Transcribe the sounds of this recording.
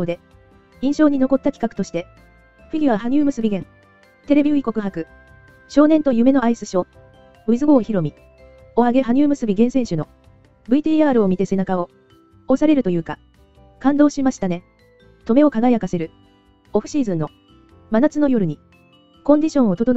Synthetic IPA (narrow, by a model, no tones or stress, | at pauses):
oːd̪e̞ | ĩɰ̃ɕo̞ːɲ̟ino̞ko̞t̪ːakʲi̥kakɯ̥t̪o̞ɕi̥t̪e̞ | ɸiɡʲiβaɦaɲ̟ɨːmɯ̟sɨbʲiɡẽ̞ŋ | t̪e̞ɾe̞bʲioiko̞kɯ̟ɦakɯ̟ | ɕo̞ːnent̪o̞jɯ̟me̞no̞aisɨɕo̞ː | ɯ̟izɨɡo̞ːçiɾo̞mʲi | o̞aɡe̞ɦaɲ̟ɨːmɯ̟sɨbʲiɡẽseɰ̃ɕɨno̞ | bɯ̟it̪iːaːɾɯ̟o̞mʲit̪e̞se̞nakao̞ | osaɾe̞ɾɯ̟t̪ojɯ̟ːka | kãnd̪o̞ːɕimaɕi̥t̪ane̞ | t̪o̞me̞o̞kaɡaijakase̞ɾɯ̟ | oɸɯ̟̥ɕiːzɨ̃nːo̞ | manat͡sɨno̞jo̞ɾɯ̟ɲ̟i | kõ̞ɲ̟d̪ʲiɕõ̞ɰ̃o̞t̪o̞t̪on